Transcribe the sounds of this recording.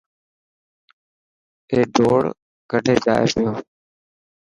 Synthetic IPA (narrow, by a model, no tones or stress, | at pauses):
eːɖʱoːɽ | ɡʱəɖʱeːd͡ʒa̰ːḛːsɪjoː